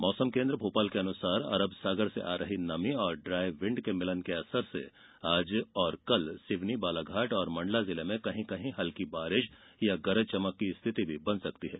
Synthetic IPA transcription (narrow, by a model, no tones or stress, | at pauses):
mɔːsəmkẽːnd̪ɾəbʱoːpaːlkeɐnʊsaːɾɐ̰ɾəbsaːɡəɾsḛʔaːɾɐɦinɐmiɔːɾɖɾaːjʋɪ̃ɳɖkemɪlənkeɐsəɾsḛ | aːd͡ʒɔːɾkɐlsɪʋnibaːlaɡʱaːʈɔːɾmɐ̃ɳɖlazɪlemẽkɐɦĩkɐɦĩɦɐlkibaːɾɪʃjaɡɐɾət͡ʃɐməkːiɪst̪ʰɪt̪ibʱibɐnsɐkt̪iɦɛː